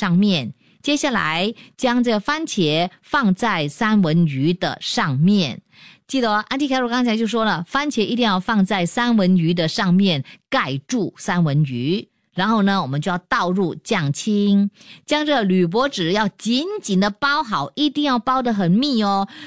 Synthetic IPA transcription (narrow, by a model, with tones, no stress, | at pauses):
ʂɑ˥˧ŋmjɛ˥˩n | t͡ɕjɛ˥ɕja˥˩la̰˧˥ɪt͡ɕjɑ˥ŋʈ͡ʂɤ˥˩ɡə˩fa˥nt͡ɕʰjɛ˧˥ | fɑ˥˧ŋt͡sa˥˩ɪsa˥nwə˧˥ny˧˥d̪ə̰˨ʂɑ˥˧ŋmjɛ˥˨˩n | t͡ɕi˥˩d̪ə˩ʔa˥˧nt̪ʰi˥˧kʰa˥ɪɻɔ˥˩kɑ˥ŋt͡ɕʰa˧˥ɪt͡ɕjo˥˩ʊʂwɔ˥lə˨fa˥nt͡ɕʰjɛ˧˥ʔi˧˥t̪i˥˧ŋjɑ˥˧ʊfɑ˥˧ŋt͡sa˥˩ɪsa˥nwə˧˥ny˧˥d̪ə˧ʂɑ˥˧ŋmjɛ˥˩nka˥˩ɪʈ͡ʂu˥˩sa˥nwə˧˥ny˧˥ | ɻa˧˥nxo˥˩ʊnə˩wɔ˨˩mə˦nt͡ɕjo˥˧jɑ˥˧ʊt̪ɑ˥˧ʊɻu˥˧t͡ɕjɑ˥˨˩ŋt͡ɕʰi˥ŋt͡ɕjɑ˥ŋʈ͡ʂɤ˥˩ɡə˩ly˨˩p̬wɔ˧˥ʈ͡ʂɻ̩˨˩jɑ˥˩ʊt͡ɕi˧˥nt͡ɕi˨˩nd̪ə˦pɑ˥ʊxɑ˨˩˦ʊʔi˧˥t̪i˥˧ŋjɑ˥˩ʊpɑ˥ʊd̪ə˨˩xə˨˩nmi˥˩ɔ˧